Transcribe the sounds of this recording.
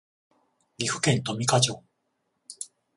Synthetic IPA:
ɾʲiɸɯ̟̥kẽ̞nt̪omʲikat͡ɕo

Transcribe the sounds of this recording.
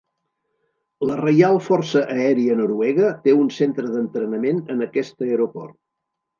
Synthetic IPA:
lərəjalˠfɔrsəʔəɛɾiənoɾuɛɣət̪eunsent̪ɾəðənt̪ɾənəmenənəkɛst̪əəɾopɔ̰rt̪̚

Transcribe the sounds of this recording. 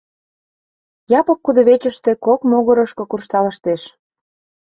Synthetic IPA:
jɑpɤkːud̪ŏβet͡ɕə̆ʃt̪ekokmoɣəɾəʃkŏkurʃt̪ɑlə̆ʃt̪eʃ

